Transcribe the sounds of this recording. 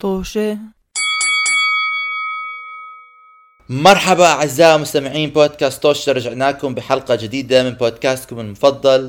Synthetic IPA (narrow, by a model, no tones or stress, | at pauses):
t̪ˤoːʃe | mɑɾˤħabaʔaʕɪzːaːʔmʊst̪amɪʕiːnboːd̪̚kaːst̪ˤːoːʃɾˤɑd͡ʒaʕnaːkʊmbɪħɑlqɑd͡ʒɪd̪iːd̪amɪnboːd̪kaːst̪kʊmɪlmʊfɑd̪ˤːɑl